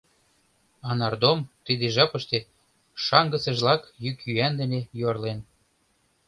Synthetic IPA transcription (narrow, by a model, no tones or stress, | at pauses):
ɑnɑrd̪omt̪id̪eʒɑpə̆ʃt̪e | ʃɑŋɡə̆sə̆ʒlɑkjykjyænd̪ə̆nejorlen